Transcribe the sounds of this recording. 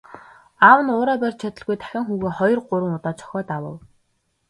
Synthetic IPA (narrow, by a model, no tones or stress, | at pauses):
awə̆nʊːɾaːpærʲt͡ɕt͡ɕʰat̪ə̆ɮɣujt̪ʰæ̥xʲăːŋxuːɣeːχɔjɞ̆rɢʊɾə̆ŋʊt̪aːt͡ɕʰɔ̥xʲɔːt̪awə̰̆w